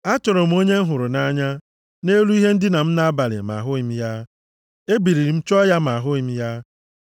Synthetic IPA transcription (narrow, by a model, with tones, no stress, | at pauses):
a˦tʊ˨ɾʊ˨m̩˦o˦ɲe˦ɦʊ˨ɾʊ˨na˦ɲa˦ | ne˦lu˦i˦ɦe˦n̩˦dɪ˦na˨m̩˦na˦a˦ba˨lɪ̰˨m˨a̰˨ɦʊ˦i˨m̩˦ja˦ | e˦bi˨ɾi˨ɾi˨m̩˦t͡ʃɔ˦ja˦m̩˨a˨ɦʊ˦i˨m̩˦ja˦